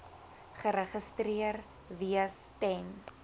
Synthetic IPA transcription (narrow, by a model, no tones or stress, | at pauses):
χəɾəχəstriər | vistɛn